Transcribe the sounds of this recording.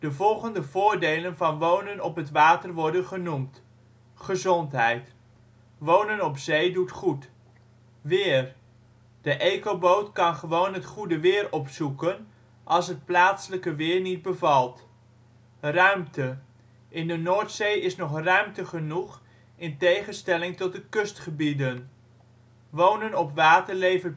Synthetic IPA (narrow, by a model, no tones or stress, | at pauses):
d̥əvɔlˠχəndəvʊːɹdejlənvɑnʋownənɔpɦətʋaːtəɹʋɔɹdənχənumt | χəzɔntɦɛjt | ʋownənɔpzejdutχut | ʋɪːr | d̥əʔejkobowtkɑnχəʋownɦətχudəʋɪːɹɔpsukən | ʔɑlˠsɦət̚plaːtsələkəʋɪːɹnid̚bəvɑlˠt | rœɥmtə | ʔɪndənoːɹtsejɪsnɔχrœɥmtəχənuχ | ɪntejχənstɛlɪŋtɔt̚dəkɵstχəbidən | ʋownənɔpʋaːtəɹlejvə